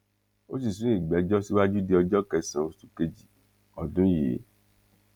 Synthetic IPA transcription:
o̰˦si˦˨sũ˨˦ĩ˦˨ɡ͡bɛ˨˦d͡ʒɔ˦si˦wa˦d͡ʒu˦de˧˦ɔ˧d͡ʒɔ˦kɛ˧sã˨o˧su˦ke˧d͡ʒi˨ | ɔ˨dũ˦jḛ˨˦

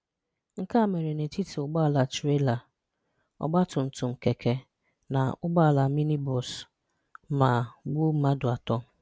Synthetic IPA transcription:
ŋ̩˦ka˦˨me˨ɾe˨ne˨ti˦ti˨ʊ˨ɡ͡ba˦˨la˨tɾe˦la˨ | ɔ̰˦ɡ͡ba˦tʊ˨n̩˨tʊ˨ŋ͡m̩˨ke˨kʰe˨ | na̰˨ʊ˦ɡ͡ba˦˨la˨mi˦ni˦bɔ˨s | ma˨ɡ͡bu˦ma˦dʊ˨a˨tɔ˦

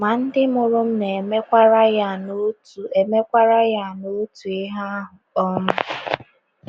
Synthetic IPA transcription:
ma˨n̩˦dɪ˦mʊ˨ɾʊ˦m̩˦ne˨me˦kʷa˦ɾa˦ja˦˨no˦tu˨e˨me˦kʷa˦ɾa˦ja˦˨no˦tu˨ɪ˦ɦa˦ɦʊ˨ɔ˦mʊ˦

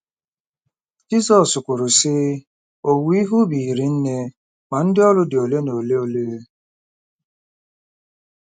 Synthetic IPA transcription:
d͡ʒi˦sɔ˨sʊ˨kʷʊ˨ɾʊ˨sɪ˦ | o˨wi˦ɦu˦bi˨ɾi˨n̩˦ne˦ | ma˨n̩˦dɪ˦ɔ˦lʊ˦dɪ˨o˨le˦no˨le˦o˦le˦

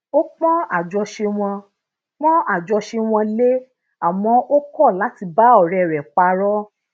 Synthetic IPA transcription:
o˦k͡pɔ̃˦a˨d͡ʒɔ˧ʃe˧w̃ɔ̃˧ | k͡pɔ̃˦ʔa˦˨d͡ʒɔ˧ʃe˧w̃ɔ̃˧le˦ | a˨w̃ɔ̃˧˦ʔo˦kɔ˦˨la˨˦ti˧ba˦ɔ˦˨ɾɛ˧˨ɾɛ˨k͡pa˧ɾɔ˦

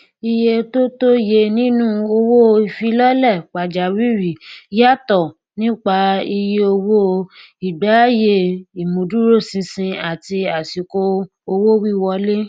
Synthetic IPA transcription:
i˧je˧to˦to˦je˧nĩ˦nũ˦o˧wo˦˧i˨fi˧lɔ˦lɛ˦˨k͡pa˨d͡ʒa˨wi˦ɾi˨ja˦˨tɔ˦˨ | nĩ˦k͡pa˧i˧je˧o˧wo˦˧ | i˨ɡ͡ba˨˦je˦˨i˨mũ˨du˦ɾo˦˨sĩ˧sĩ˧a˨ti˧a˨si˨ko˧ | o˧wo˦wi˦˨wɔ˧le˦

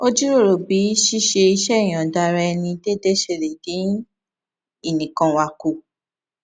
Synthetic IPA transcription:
o˦d͡ʒi˦ɾo˦˨ɾo˨bi˨˦ʃi˦ʃe˧i˧ʃɛ˦˨j̃ã˨da˧ɾɛ˧ɛ˧nĩ˧de˦de˦ʃe˧˨ɾe˨dĩ˨˦ | i˦˨nĩ˨kã˧wa˧ku˨

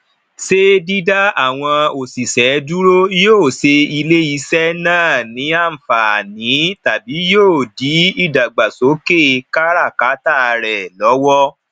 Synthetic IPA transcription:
se˦di˦da˦a˦˨w̃ɔ̃˧o˨si˨sɛ˨˦du˦ɾo˦joː˦˨se˧i˧le˦i˧˦sɛ˦nãː˦˨nĩ˨˦a˦˨m̩˨fa˨nĩ˨˦ta˨bi˨˦joː˦˨di˨˦i˦˨da˨ɡ͡ba˨so˨˦ke˦˨ka˦ɾa˦˨ka˨˦ta˦˨˧ɾɛ˨lɔ˨˦wɔ˦

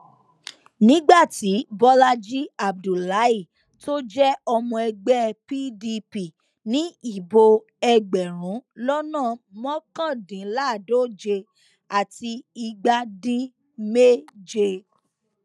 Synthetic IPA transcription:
nĩ˦ɡ͡ba˦˨ti˨˦bɔ˦la˦d͡ʒi˦a˨b̚du˨la˨˦i˦˨ | to˦d͡ʒɛ˦ɔ˧mɔ̃˧ɛ˧ɡ͡bɛ˦˨pi˦di˧pi˨ | nĩ˦i˦˨bo˧ | ɛ˧ɡ͡bɛ˨ɾ̃ũ˨˦lɔ˦nãː˦˨mɔ̃˦kã˦˨dĩ˨˦la˦˨do˦˨d͡ʒe˧ | a˨ti˧i˧ɡ͡ba˧dĩ˦ | me˦d͡ʒe˧

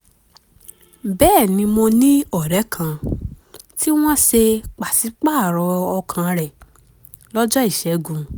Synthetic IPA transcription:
bɛː˦˨nĩ˧mõ˧nĩ˦ɔ˨ɾɛ˨˦kʰã˧ | ti˦w̃ɔ̃˦ʃe˧k͡pa˨si˨˦k͡pa˦˨ɾɔ˧ɔ˧kʰã˧ɾɛ˨ | lɔ˦d͡ʒɔ˦i˦˨ʃɛ˨˦ɡũ˨

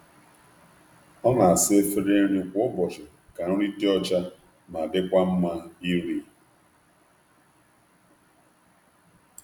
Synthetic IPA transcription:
ɔ˦na˨a˨sɪ˦e˦fe˦ɾe˦ɾi˦kʷʊ˦bɔ˨t͡ʃɪ˨ | ka˨ɾʊ˦ɾi˦te˦ɔ˦t͡ʃa˦ | ma˨dɪ˦kʷa˦m̩˦ma˦i˦ɾi˦

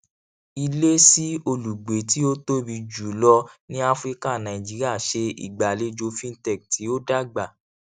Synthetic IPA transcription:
i˧le˦si˦o˧lu˨ɡ͡be˨˦ti˦o˦to˦bi˧d͡ʒu˨lɔ˧nĩ˦a˦fɾi˦ka˦˨nã˨ĩ˨d͡ʒi˨˦ɾi˦a˦˨ʃe˧ḭ˨ɡ͡ba˨le˨˦d͡ʒo˧fĩ˦n̩˦tɛ˦˨k̚tʰi˨˦o˦da˦ɡ͡ba˦˨

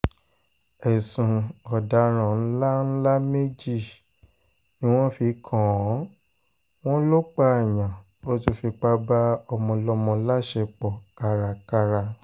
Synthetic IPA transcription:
ɛ˨sũ˨ɔ˨da˨˦ɾ̃ã˨n̩˦la˦n̩˦la˦me˦d͡ʒi˦˨ | nĩ˦w̃ɔ̃˦fi˧kʰɔ̃˨˦ | w̃ɔ̃˦lo˦k͡pa˦ɛ˨j̃ã˨ | o˦tu˧fi˧k͡pa˧ba˦ɔ˧mɔ̃˧lɔ˧˦mɔ̃˧˦la˦ʃɛ˧k͡pɔ˨ka˧ɾa˧ka˧ɾa˧

